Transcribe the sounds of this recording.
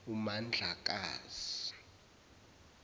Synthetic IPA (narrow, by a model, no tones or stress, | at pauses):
umand͡ɮʱak̬ʼaːz̥i